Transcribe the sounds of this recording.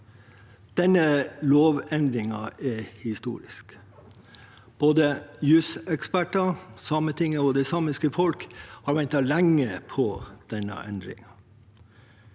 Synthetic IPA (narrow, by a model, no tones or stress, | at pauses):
d̪̥ɛnəloːʋɛnd̪ɾɪŋɑʔɛhɪst̪ṵːɾɪ̰sk | b̥oːd̪əjʉsɛkspæʈɑsɑːmət̪ʰɪŋːəɔːd̪ɛsɑːmɪskəfɔlkhɑːɾʋɛnt̪ɑlæŋːəpʰɔd̪̥ɛnɑ̰ʔɛ̰nd̪ɾɪ̰ŋɑ